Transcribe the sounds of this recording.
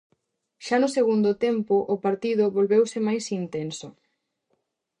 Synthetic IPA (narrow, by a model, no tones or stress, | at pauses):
ʃanʊseɣund̪ʊt̪empʊʔʊpaɾt̪iðʊβolβewsɪmajsint̪ensʊ